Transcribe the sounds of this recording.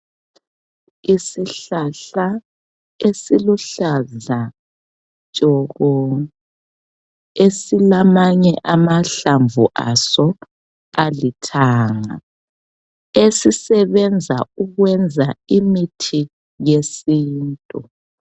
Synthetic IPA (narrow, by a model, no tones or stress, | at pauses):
isiɬaɬa | esiluɬaza | t͡ʃʼɔɣɔ | esilamaɲɛʔamaɬaɱvuʔa̰sɔ | alitʰaːŋa̰ | esisɛβɛnd͡zʱauɣwɛnd͡zʱaimitʰi | jesiːntʼu